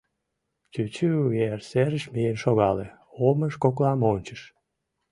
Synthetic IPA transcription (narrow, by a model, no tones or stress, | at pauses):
t͡ɕyt͡ɕyɣerseɾəʃmijenʃoɣɑle | oməʃkoklɑmonʲt͡ɕə̥ʃ